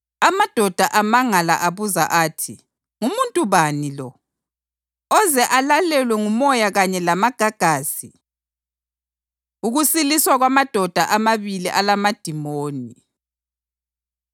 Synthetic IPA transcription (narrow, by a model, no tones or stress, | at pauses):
amad̥ʱɔd̥ʱaʔamaŋala̰ʔaβuza̰ʔaːtʰi | ŋumuntʼuβanilɔ | ɔzɛʔalalɛlwɛŋumɔjaɣaɲɛlamaɡ̥ʱaɡ̥ʱaːsi | uɣusiliswaɣwamad̥ʱɔd̥ʱaʔamaβiliʔalamad̥ʱimoːni